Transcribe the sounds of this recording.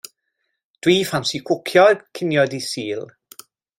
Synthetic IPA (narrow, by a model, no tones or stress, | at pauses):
d̥wiːfansikʰwʊkʰjɔkʰɪnjɔdisiːlˠ